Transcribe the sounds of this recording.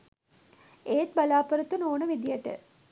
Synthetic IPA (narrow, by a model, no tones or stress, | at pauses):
eːʈ̚balaːpəɾət̪unoːnəʋid̪ijəʈə̰